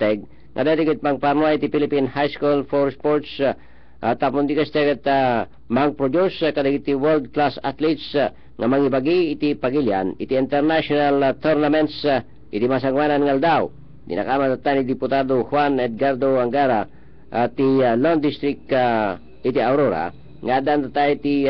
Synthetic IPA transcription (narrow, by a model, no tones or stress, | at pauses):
t̪ɛɡ̚ | ŋʔa̰d̪at̪ɛɡɪd̪̚paŋpaɾnwait̪ipilipinhajskulfoɾspoɾt̪s | ʔat̪ːapond̪ikast̪ɛɡat̪a | maŋpɾod͡ʒ̪uskɐd̪ɐɡit̪ːiwɛld̪̚klasat̪lit̪s | ŋamaŋibaɡiːt̪ipaɡilja̰nɪt̪iint̪ɛɾnaʃonalt̪ɛɾnamɛnt̪s | ʔɪt̪imas̬aŋwananŋald̪aw | d̪ḭna̰kamat̪at̪ːanid̪ipʊt̪ad̪ohwanɛd̪̚ɡaɾd̪oaŋɡaɾa | ʔt̪ilond̪ist̪ɾɪk̚ka | ʔɪt̪iawɾoɾa̰ | ŋad̪ant̪at̪ait̪i